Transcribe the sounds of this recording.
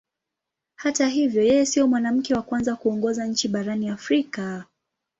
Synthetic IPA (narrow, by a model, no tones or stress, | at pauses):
hataɦivjɔjɛjɛsiɔmwanam̩kɛwakwanzakuɔŋɡɔzaɲ̩t͡ʃiɓaɾaniafɾika